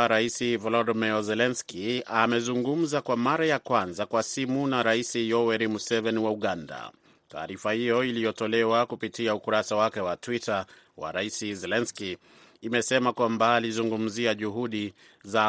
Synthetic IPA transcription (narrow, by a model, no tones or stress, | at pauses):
ɾaisivɔlɔdmɛɔzɛlɛnskiamɛzuŋɡum̩zakwamaɾajakwanzakwasimunaɾaisijɔwɛɾimusɛvɛniwauɠanda̰ | ta̰ːɾifahijɔilijɔtɔlɛwakupitiaukuɾasawakɛwatwita | wa̰ɾaisizɛlɛnskiː | mɛsɛmakwambaːlizuŋɡum̩ziaʄuɦuɗi | za